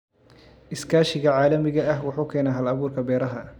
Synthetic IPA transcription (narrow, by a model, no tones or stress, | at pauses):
ʔɪskʰaːʃɪɣɐʕɑːlɐmɪɣɐɐɦwɑħuːkʰɛːnɐɦɐlɐβuːrkʰɐbɛːɾɐɦɐ